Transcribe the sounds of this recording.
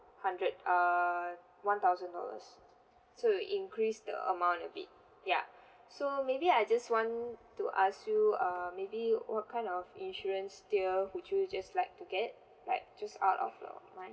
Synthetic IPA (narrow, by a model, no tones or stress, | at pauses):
hãndɹəd̚ʌ | wãnt̪aʊzə̃ndɔ̰lə̰s | sojʔĩŋkɹisdə̰ə̰mãw̃ntəbḭt̚ | ja̰ | somebiajd͡ʒaswɔ̃ntuʔaskjuəmebiwɔt̚kʰãɪ̃ndɔfĩnʃɔɹə̃nsdiəwut͡ʃjud͡ʒaslaɪk̚tuɡɛt̚ | laɪk̚d͡ʒasa̰ʊtɔ̰fdə̰mãɪ̃